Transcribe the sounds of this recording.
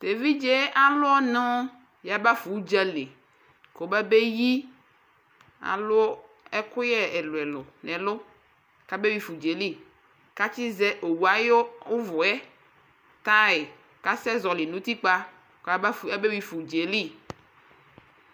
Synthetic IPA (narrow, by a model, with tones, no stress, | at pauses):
t̪e˨vi˦d͡ʒe˦ʔa˨lʊ˦ɔ˦nɔ̃˦ | ja˨ba˦fu˨˦d͡ʒɛ˦le˨ | ko˨bɛ˦be˦ji˦ | a̰˨lʊ˦ | ɛ˦kʊ˦jɛ˦ɛ˨lʊ˨ɛ˨lʊ˨nɛ̃˨lʊ˦ | ka˦be˦wi˦fu˨d͡ʒe˨li˦ | ka˦t͡ʃi˦zɛ˦ʔo˨wu˨a˦jo˦ʊ˦vʊ˨ɛ˦ | t̪a˦e˨ | ka˦sɛ˦zɔ˨lɪ˨nũ˦t̪i˦k͡pa˦ | kɛ˦be˦wi˦fu˨d͡ʒe˨li˦˨